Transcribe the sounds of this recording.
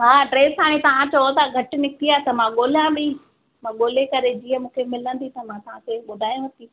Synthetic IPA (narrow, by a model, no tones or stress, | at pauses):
ɦaːɖɾeːsɦaːɽ̃ẽt̪ɐʋ̤ãt͡ɕɐot̪aɡʱɐʈɪ̆nɪkiaːt̪ɐmãɠoːljãbɪ | mãːɠoːlekɐɾed͡ʑiːəmũːkʰemɪlə̃nd̪it̪ɐmãt̪ɐʋ̤ãseɓʊd̪ʱaːjũɦɐt̪i